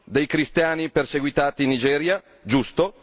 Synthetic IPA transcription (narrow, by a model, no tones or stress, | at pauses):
d̪ejkɾist̪jaːniperseɡwit̪aːt̪iːnːid͡ʒɛːɾja | d͡ʒust̪o